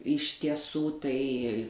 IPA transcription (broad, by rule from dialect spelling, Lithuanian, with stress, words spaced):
ɪʃ tʲiɛˈsuː ˈtɐɪ